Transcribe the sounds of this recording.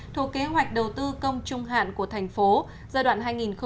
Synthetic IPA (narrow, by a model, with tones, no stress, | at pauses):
t̪ʰu˧˩kːe˨˦ɦwa˨˩jk̟̚ɗə˨˩wt̪ɨ˧kə˧wŋ͡mt͡ɕʊ˧ŋ͡mɦa̰ː˧˨nku˧˩ət̪ʰɛ˨˩jŋ̟fo˨˦ | zaː˧ɗwa̰ː˧˨nɦaː˧jŋi˨˩nxə˧